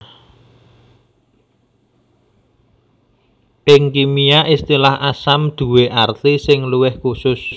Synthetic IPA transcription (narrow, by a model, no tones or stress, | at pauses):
pɪŋkimijaʔist̪ilahasamd̪̥ṳweʔart̪isɪŋluwɪhkusʊs